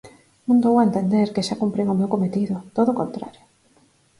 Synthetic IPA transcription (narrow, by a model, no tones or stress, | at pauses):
mũnd̪owaent̪end̪eɾkeʃakumpɾeŋomewkomet̪iðʊt̪oðokont̪ɾa̰ɾjo̥